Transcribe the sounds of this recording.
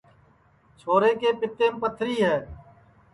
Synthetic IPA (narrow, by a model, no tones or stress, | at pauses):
t͡ʃʰoːɾẽːkeːpɪt̪ẽːpət̪ʰɾiːɦɛː